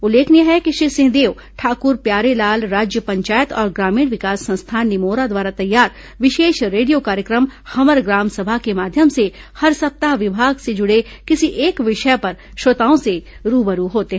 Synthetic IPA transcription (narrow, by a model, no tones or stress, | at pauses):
ʊlːeːkniaɦɛkiʃɾisɪ̃ɦd̪eːw | ʈʰaːkʊɾpjaːɾelaːlɾaːd͡ʒjəpɐ̃ɲt͡ʃaːjət̪ɔːɾɡɾaːmiːɽ̃ʋɪkaːsːɐ̃nst̪ʰaːnnːɪmoːɾad̪waːɾat̪ɐjːaːɾ | ʋɪʃeːʃɾeːɖijokaːɾjəkɾəmhɐməɾɡɾaːmsɐbʱakemaːd̪ʱjəmse | hɐɾsɐp̚t̪aʋɪbʱaːɡsed͡ʒʊɽe | kɪsiʔeːkʋɪʃəpɐɾ | ʃoːt̪aːõseɾuːbəɾuɦoːt̪eɦɛ